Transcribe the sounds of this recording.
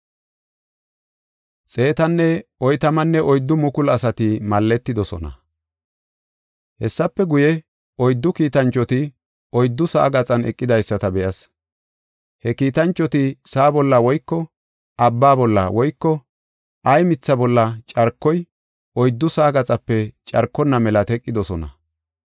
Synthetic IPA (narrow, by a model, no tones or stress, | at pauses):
t͡sʼe̞ːt̪ɐnːɛɔjt̪ɐmɐnːɛʔɔjd̪ːʊmʊkʊlɐsɐt̪ɪmɐlːɛt̪ːɪd̪ɔsɔ̰nɐ̰ | hɛsːɐpːɛɡʊjɛ | ɔjd̪ːʊkiːt̪ɐnt͡ʃʼːɔt̪ɪ | ɔjd̪ːʊsa̰ːɡɐt͡sʼɐnɛ̰kʼːɪd̪ɐjsːɐt̪ɐbɛʔɐs | hɛkiːt̪ɐnt͡ʃʼːɔt̪ɪsaːbɔlːɐwɔjkːɔ | ɐbːaːbɔlːɐ̰wɔjkːɔ | ʔɐjmɪt͡sːɐbɔlːɐt͡ʃʼɐɾkːɔj | ʔɔjd̪ːʊsaːɡɐt͡sʼɐpːɛt͡ʃʼɐɾkːɔnːɐmɛlɐt̪ɛkʼːɪd̪ɔsɔnɐ̰